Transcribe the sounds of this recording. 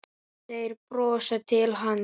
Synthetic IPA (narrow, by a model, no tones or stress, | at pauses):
θejɾpɾɔːsat̪ʰɪlɦan